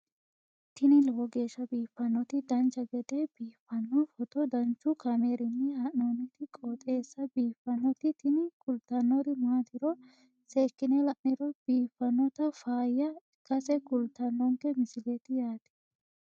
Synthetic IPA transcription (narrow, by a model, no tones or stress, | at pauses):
t̪ɪnɪlwɔɡeːʃːɐbiːfːɐnːɔt̪ɪd̪ɐnt͡ʃːɐɡɛd̪ɛb̥iːfːɐnːɔfɔt̪ɔd̪ɐnt͡ʃːʊkɐmeːɾɪnːɛhɐʔnonɛt̪ɪkʼot̪ʼeːsːɐbiːfɐnɔt̪ɪt̪ʰɪnɪkʼʊlt̪ɐnːɔd̪ɪmaːt̪ɪɾɔ | seːkːɪnɛlɐʔnɪɾɔb̥iːfːɐnːɔt̪ɐfaːjːɐ | kɐsɛkʊlt̪ɐnːɔŋkɛmɪsɪlet̪ɪjaːt̪ɪ̥